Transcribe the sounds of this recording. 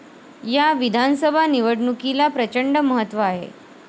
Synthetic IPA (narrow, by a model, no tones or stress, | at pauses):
jaʋid̪ʱansəbʱaniʋəɽɳukilapɾət͡ɕəɳɖəməɦət̪ʋəaɦḛ